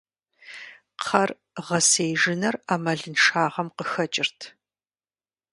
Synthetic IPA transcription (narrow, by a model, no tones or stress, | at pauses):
qʰɐr | ʁɐsejʒɪnɐraːmɐɮɨnʂaːʁɐmqəxɐt͡ʃʼɪrtʰ